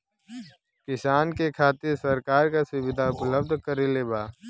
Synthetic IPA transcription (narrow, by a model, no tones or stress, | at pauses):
kɪsaːnkekʰaːt̪ɪɾsɐɾkaːɾkasʊʋɪd̪ʱaʊpləb̚d̪ʱkəɾeleːbaː